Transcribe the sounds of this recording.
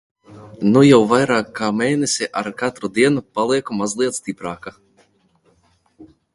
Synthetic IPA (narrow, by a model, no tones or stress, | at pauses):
nujawvajɾaːkːaːmeːnesʲiʔaɾkat̪ɾud̪iɛnupalˠiɛkumazlˠiɛt̪st̪ipɾaːka